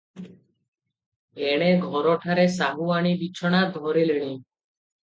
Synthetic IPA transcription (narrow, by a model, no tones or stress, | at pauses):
eɽ̃eɡʱɔɾɔʈʰaɾesaɦuaɽ̃ibit͡ʃʰɔɽ̃ad̪ʱɔɾiliɽ̃i